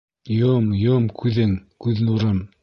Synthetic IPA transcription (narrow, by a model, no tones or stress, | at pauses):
jomjomkʰʉðɘŋkʉðnuɾɤm